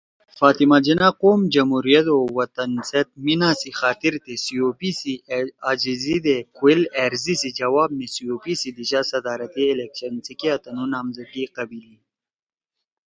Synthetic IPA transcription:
faːt̪imad͡ʒinaqoːmd͡ʒɐmhuɾijɐt̪owɐt̪ɐnset̪̚minasixaːt̪iɾt̪esijopisiad͡ʒizid̪ekuileɾzisid͡ʒɐwaːb̚mesijoːpisid̪iɕasɐd̪aːɾɐt̪iːlekɕɐnsikiat̪ɐnunaːmzɐkiqɐbili

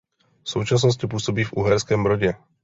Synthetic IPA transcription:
fsuːt͡ʃas̬nɔs̬cip̬ʊuːsɔbiːvṵɦɛɾskɛmbɾɔɟɛ

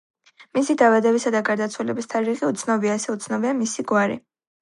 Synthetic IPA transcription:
misid̪avad̪ɛbisad̪aɡaɾd̪at̪sʰwɛlɛbist̪ʰaɾiʁiut̪sʰnɔbiaɛsɛut̪sʰnɔbiamisiɡwaɾḭ

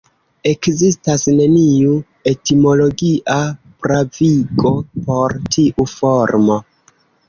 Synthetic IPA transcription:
e̞kzistasne̞niu | e̞timo̞lo̞ɡiʔa | pɾaviko̞po̞ɾtʰiʔufo̞ɾmo̞

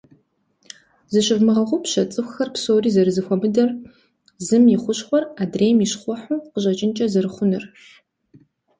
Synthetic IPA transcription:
zɨɕɪvmɨʁɐʁʷʊpɕɐt͡sʼɨxʷxɐrpsoːriːzɐɾɨzɨxʷɔmɨdɐr | zɨmjɪχʷʊɕχʷɔraːdreːjmiɕχʷɔħʷuːqəʑɐt͡ʃʼɪnt͡ʃʼɐzɐɾɨχʷʊnɨrɕ

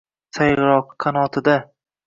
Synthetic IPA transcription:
sajʁɾɒqqʰːanɒt̪ʰɪd̪a

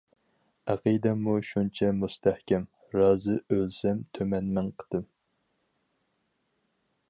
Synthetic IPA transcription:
æqid̪ɛmuʃunt͡ʃʰɛmust̪ʰæhkʲɛm | ɾɑːzɨølsɛmt̪ʰømɛnmɛŋqʰə̥d̪̥ɨm

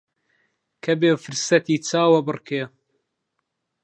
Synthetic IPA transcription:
kʰɐbeːfɨɾsɐt̪iːt͡sʰaːwɐbɨrkeː

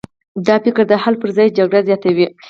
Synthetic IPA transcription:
d̪ɑpɪkəɾd̪əhalpəɾzɑjd͡ʒaɡɽazjɑt̪awi

